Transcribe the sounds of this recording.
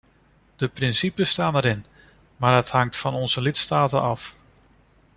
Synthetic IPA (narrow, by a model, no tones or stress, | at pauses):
d̥əprɪnsipəstaːnəɾɪn | maːɹdɑthɑŋtfɑnɔnzəlɪtstaːtə̰ɑf